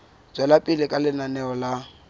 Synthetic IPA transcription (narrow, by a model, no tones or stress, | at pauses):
t͡swɛlapʼɪlɪkʼalɪnanɛɔla